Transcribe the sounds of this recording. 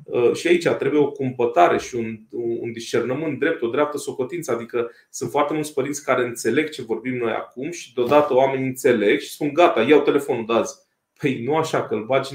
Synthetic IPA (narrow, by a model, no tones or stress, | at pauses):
əʃiait͡ʃat̪ɾe̞buje̞o̞kumpət̪aɾe̞ʃiunṵnd̪iʃt͡ʃe̞rnəmɨnt̪̚d̪ɾe̞p̚t̪o̞d̪ɾeap̚t̪əso̞ko̞t̪int̪səad̪ikə | sɨnt̪foart̪e̞mult̪sʲpəɾintsʲkaɾe̞ɨnt̪se̞le̞ɡ̚t͡ʃe̞vo̞rbimno̞ja̰kumʃi̥d̪eod̪at̪əoame̞nʲɨnt̪se̞le̞ɡʃi̥spunɡat̪ajawt̪e̞le̞fo̞nud̪azʲ | pəjnuaʃakəlbat͡ʃʲ